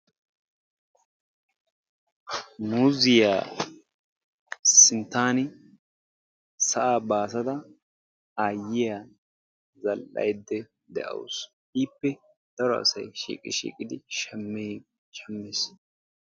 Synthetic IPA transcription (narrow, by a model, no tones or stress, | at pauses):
muzɪjaː | sɪnt̪aːnɪ | sɐʔaːbaːs̬ɐd̪ɐ | aːjɪja | zɐlʔɐ̰jd̪ːɛ | d̪ɛʔɐ̰wʊs | ʔiːpːɛ | d̪̥ɐɾɔɐ̰sɐjʃḭːkʼɪʃḭːkʼɪd̪ɪʃɛm | ʃɐmːɪs